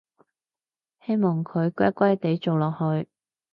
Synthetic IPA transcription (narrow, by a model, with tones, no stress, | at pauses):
he˥jmɔː˨˩ŋkʰɵ˨˧ɥkʷɐ˥kʷɐ˥jt̪e˨˥jt͡so˨wlɔː˨k̚hɵ˨˧ɥ